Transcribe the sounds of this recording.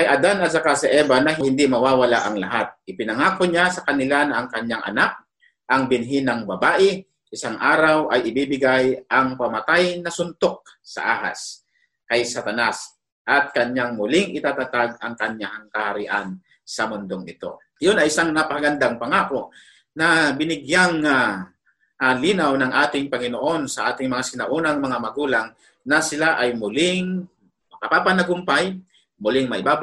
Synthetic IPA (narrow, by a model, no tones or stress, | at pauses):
kɐjʔɐd̪anɐsɐkasɛʔɛːbanɐɦɪhɪnd̪imɐwaːwɐlaʔɐŋlɐɦat̪̚ʔɪpɪnɐŋaːkoɲasɐkɐnɪlanɐːŋkɐɲːaŋʔɐ̰nak̚ | ʔɐŋbɪnɦinɐŋbɐbaːʔɪ | ʔɪsaŋʔaːɾawʔɐjʔɪbibɪɡajʔɐŋpɐmɐt̪ajnɐsʊnt̪o̞k̚ | sɐ̰ʔaːɦa̰s | kɐjsɐt̪ɐnas | ʔɐt̪̚kɐɲːaŋmʊlɪŋʔɪt̪aːt̪ɐt̪aɡɐŋkɐɲahŋkɐhɐɾɪʔan | sɐmʊnd̪oŋɪt̪o̞̰ | jonɐʔɪsaŋnapɐkɐɡɐnd̪aŋpɐŋaːko̞ | nɐbɪnɪɡjaŋa | ʔaliːnawnɐŋʔaːt̪ɪŋpɐŋɪnoʔo̞nsɐʔaːt̪ɪŋmɐŋasɪnɐʔuːnɐŋmɐŋamɐɡuːlaŋ | nɐsɪlaʔɐjmʊlɪŋ | mɐkapapanɐɡʊmpaj | mʊlɪŋmɐʔɪbaːb